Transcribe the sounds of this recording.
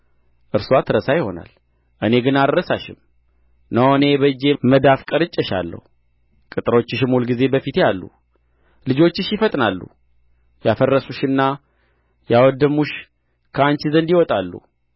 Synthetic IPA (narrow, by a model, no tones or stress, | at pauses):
ʔɨɾswat̪ʰɨɾəsajɪho̞̰na̰l | ʔɨne̞ɡɨnad̪əɾəsaʃɪ̰m | nəwne̞bəd͡ʒe̞məd̪afkʼəɾɨt͡ʃʼːəʃa̰lːə̰hu | kʼɨt̪ʼɨɾo̞t͡ʃːɪʃɪmulɡize̞bəfit̪jalːṵ | lɨd͡ʒo̞t͡ʃːɪʃjɪfət̪ʼnalːṵ | jafərːəsuʃɨnːa | jawɔd̪ːəmuʃ | kʰəant͡ʃizənd̪iwɔt̪ʼalːṵ